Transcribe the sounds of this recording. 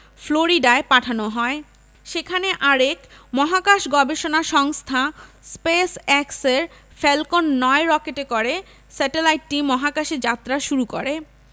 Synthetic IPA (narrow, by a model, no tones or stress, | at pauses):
floɾiɖaepaʈʰanoɦɔe | ʃekʰaneʔaɾekmɔɦakaʃɡɔbeʃonaʃɔŋst̪ʰaspesɛkseɾfɛlkonːɔeɾɔkeʈekoɾe | sɛʈelajʈ̚ːimɔɦakaʃed͡ʑat̪ːɾaʃuɾuko̰ɾe